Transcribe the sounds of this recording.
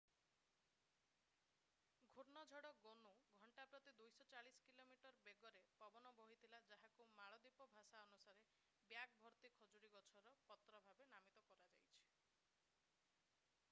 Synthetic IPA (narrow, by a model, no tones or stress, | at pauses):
ɡʱoɾnɔd͡ʒʱɔɽɔɡonuɡʱɔɳʈapɾɔt̪id̪ujsɔt͡ʃaɭiskilomiʈɔɾbeɡɔɾepɔbɔnɔbɔɦit̪ʰilad͡ʒaɦakumaɭɔd̪ipɔbʱasaɔnusaɾe | bjak̚bʱɔɾt̪ikʰɔd͡ʒoɽiɡɔt͡ʃʰɔɾɔpɔt̪ɾɔbʱabenamit̪ɔkɔɾad͡ʒa̰jt͡ʃʰi̥